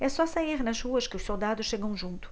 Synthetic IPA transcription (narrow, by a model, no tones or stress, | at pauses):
ɛsɔsẽj̃eʁnɐʒʁuɐʃkɪuʃsolˠd̪ad̪ʊʃʃeɣɐ̃w̃ʒũnt̪u̥